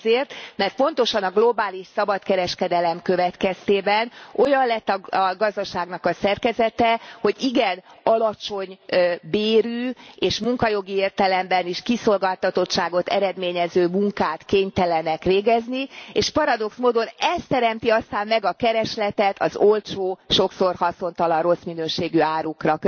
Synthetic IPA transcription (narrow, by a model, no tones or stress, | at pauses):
zeːrt̪mɛrt̪̚po̞n̪t̪o̞ʃɒnɒɡlo̞baːliʃsɒbɒt̪kɛɾɛʃkɛd̪ɛlɛmkø̞vɛt̪kɛst̪eːbɛno̞jɒnlɛt̪ːɒɒɡɒzd̪ɒʃaːɡnɒkɒsɛrkɛzɛt̪ɛho̞ɟiɡɛnɒlɒt͡ʃo̞ɲbeːɾyːeːʃmuŋkɒjo̞ɡieːrt̪ɛlɛmbɛniʃkiso̞lɡaːlt̪ːɒt̪o̞t̪ʃaːɡo̞t̪ɛ̰ɾɛd̪meːɲɛzøːmuŋkaːt̪keːɲt̪ɛlɛnɛkɾeːɡɛznieːʃpɒɾɒd̪o̞ksmoːd̪o̞nɛst̪ɛɾɛmt̪iɒst̪aːmːɛɡɒkɛɾɛʃlɛt̪ɛt̪ʰɒ̰zo̞lt͡ʃoːʃo̞kso̞rhɒso̞nt̪ɒlɒro̞sminøːʃeːɡyaːɾukrɒ